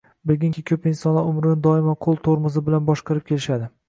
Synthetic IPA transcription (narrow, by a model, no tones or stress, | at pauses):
bɪlɡʲɪŋkʰʲɪkʲʰɵpɪnsɒnlaʊmɾɪnɪd̪ɒɪmaqʰolˠt̪ʰoɾmʊzɪbɪlanbɒʃqɑɾɪp̚kʰʲe̞lɪʃad̪ɪ